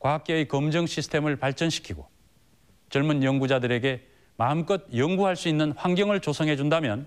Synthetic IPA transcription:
kwaɦak͈̚eikʌmd͡ʑʌŋɕʰisʰɯ̥tʰemɯɭpaɭt͡ɕ͈ʌnɕʰi̥kʰiɡo̰ | t͡ɕʌɭmunjʌŋɡud͡ʑadɯɾe̞ɡe̞ | maɯmk͈ʌd̚jʌŋɡuɦaɭs͈uinːɯnɸwaŋɡjʌŋɯɭt͡ɕosʰʌŋɦe̞d͡ʑundamjʌn

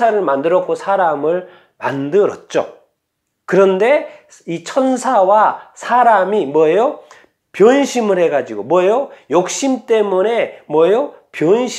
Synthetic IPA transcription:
aɾɯɭmandɯɾʌkʰosʰaɾamɯɭ | ma̰ndɯɾʌt̚t͡ɕ͈o̰ | kɯɾʌnde̞ | it͡ɕʰʌnsʰawasʰaɾamimwʌjo | pjʌnɕʰimɯɭhe̞ɡad͡ʑiɡomwʌjojok̚ɕ͈imt͈e̞mune̞mwʌjopjonɕʰ

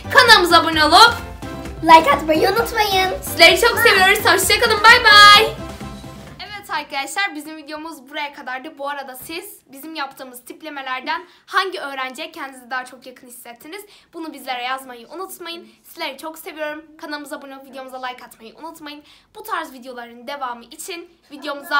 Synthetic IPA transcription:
kʰanamɯzabunalˠɯp | lˠajkat̪majɯunut̪majɯnsizlʲe̞ɾit͡ʃʰo̞kse̞vijo̞ɾumat͡ʃd͡ʒʰakalˠɯmbajbaj | ɛvɛt̪ʰaɾkad̪aʃlˠaɾbizimvid̪ejo̞muzbuɾajakʰad̪aɾd̪ɯbuaɾad̪asiz̥ | bizimjap̚t̪ʰɯːmɯz̥t̪ʰiplʲe̞me̞lʲæɾd̪ænhaɲɟiø̞ːɾænd͡ʒɛcʰɛnd̪izɛd̪aːat͡ʃʰo̞kjakʰɯnhi̥sːɛt̪ʰːiniz̥bunubizlʲe̞ɾɛjazmajɯʔunut̪majɯnsizlʲe̞ɾit͡ʃʰo̞kse̞vijo̞ɾumkʰanamɯzabunuvid̪ejo̞muzalˠajkʰat̪majɯʔṵnut̪majɯnb̥ut̪ʰaɾzvid̪ejo̞lˠaɾɯnd̪e̞vaːmɯʔit͡ʃʰin | vid̪ejo̞muza

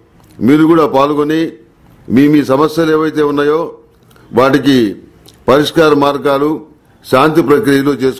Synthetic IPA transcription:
miːɾukuːɽaːpaːlkoni | miːmiːsɐmɐsjɐleːʋɐjt̪e̞ːunːaːjo̞ː | ʋaːʈiki | pɐɾiʂkaːɾɐmaːɾɡaːlu | ʃaːnt̪ipɾɐkɾijɐloːt͡ʃe̞ːsu

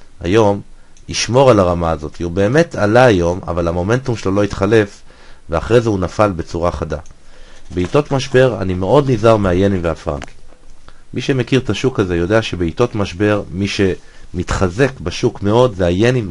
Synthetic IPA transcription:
a̰jo̞m | iʃmo̞ʁalaʁamaːzo̞t̪iube̞ːme̞tʰalaːjo̞ma̰valamo̞me̞ntumʃelolo̞it̪χale̞f | veaχʁezehunafalbe̞t͡suʁaχadabeito̞tmaʃbe̞ʁa̰nimeo̞d̪nizaʁmeaje̞nimveafʁa̰ŋki̥ | mʔiʃe̞me̞kiʁt̪aʃukaze̞jo̞deaʃe̞beito̞tmaʃbe̞ʁmiʃe̞ | mit̪χaze̞kbaʃukme̞o̞dzeajenim

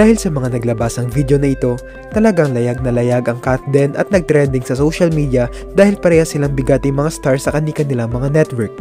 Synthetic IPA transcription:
d̪aːhɪlsɐmɐŋanɐɡlɐbasɐŋvid̪jo̞nɐʔɪt̪o̞ | t̪ɐlɐɡaŋlɐjaɡ̚nɐlɐjaɡɐŋkat̪d̪ɛnʔɐ̰t̪̚nɐɡ̚t̪ɾɛnd̪ɪŋsɐsowʃɐlmid̪iɐ | d̪aːhɪlpɐɾɛːhɐsɪlaŋbɪɡat̪ɪŋmɐŋast̪aɹsɐkɐnikɐnɪlaŋmɐŋanɛt̪wɛɹk̚

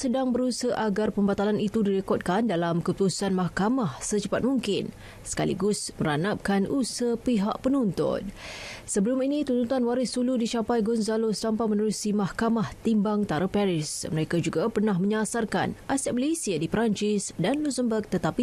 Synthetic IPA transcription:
sədaŋbəɾusəʔaɡarpəmbat̪alanit̪udiɾəkɔt̪̚kandalamkəut̪usanmahkamahsət͡ʃəpat̪̚muŋkɪn | sə̥ka̰lḭɡʊsməɾanap̚kanʔusəpiɦaʔpənunt̪ʊ̰n̚səbəluminit̪unt̪ut̪anwaɾɪsuludit͡ʃapajɡunzalosampajmə̃nəɾusimahkamaht̪imbaŋt̪aɾapɛɾɪsməɾekad͡ʒuɡapərnaɦmə̃ɲasarka̰nʔasɛt̪̚məlesiadipɾaɲt͡ʃisdanluzəmbək̚t̪ət̪api

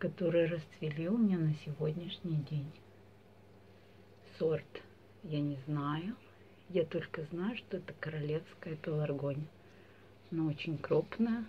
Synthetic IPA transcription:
kɐt̪o̞ɾɨjrəst̪vʲɪlʲilˠmʲɪnʲanəsʲɪvo̞dʲnʲɪʂnʲɪjdʲenʲ | sort̪ | janʲɪznajʊ | jat̪o̞lʲkəznajʊʂt̪o̞ɛt̪əkəɾɐlʲe̞fskəjəpʲɪlˠɐrɡo̞nʲ | noot͡ɕɪnʲkɾupnəjə

